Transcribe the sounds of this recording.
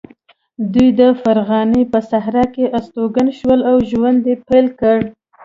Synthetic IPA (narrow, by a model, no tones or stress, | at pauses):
d̪ujd̪əfaɾɣɑnepəsaɦɾɑkeʔast̪oɡanʃwəlawʒwand̪epajlkəɽ